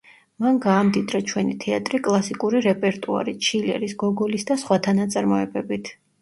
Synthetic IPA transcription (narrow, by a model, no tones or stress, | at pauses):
manɡaːmd̪id̪ɾat͡ʃʰwɛnit̪ʰɛat̪ʼɾikʼlˠasikʼuɾiɾɛpʼɛɾt̪ʼua̰ɾit͡ʃʰilɛ̰ɾisɡɔɡɔlisd̪asχwat̪ʰanat̪sʼaɾmɔɛbɛbit̪ʰ